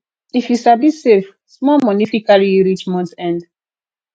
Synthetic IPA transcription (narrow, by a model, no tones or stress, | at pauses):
ifjusabisef | smɔmɔnifikaɹiɹit͡ʃmɔ̃ntɛ̃nd